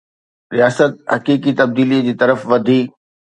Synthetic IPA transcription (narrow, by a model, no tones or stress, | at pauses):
ɾijaːsət̪̚hɐkiːk̬it̪ɐb̚d̪iːlid͡ʑiːt̪ɐɾəfʋɐd̪ʱiː